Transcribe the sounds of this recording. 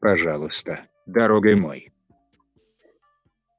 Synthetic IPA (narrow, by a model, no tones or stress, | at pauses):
paʒalˠost̪a | d̪aɾɔɡemɔ̰j